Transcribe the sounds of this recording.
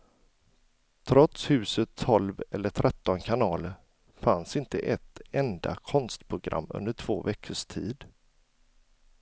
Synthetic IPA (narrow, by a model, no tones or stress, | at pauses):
t̪ʰɾɔt̪shʉ̟ːsət̪ʰːɔlvɛlːəʈʰɾʔɛt̪ːɔnkʰanɑːl | fansɪnt̪əʔɛt̪ɛnd̪a̰kʰɔnst̪pʰɾʊɡɾʔa̰mːɵ̰nd̪əʈʰv̥oːvɛkʰːəʂt̪ʰiːd̪